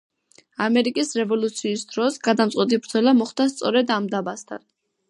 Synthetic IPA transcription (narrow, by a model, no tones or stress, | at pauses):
amɛɾikʼisɾɛvɔlut̪sʰiːsd̪̥ɾɔsɡad̪amtsʼɛt̪ʼibɾd̪zɔlamɔχd̪ast̪sʼɔɾɛd̪amd̪abast̪ʰa̰n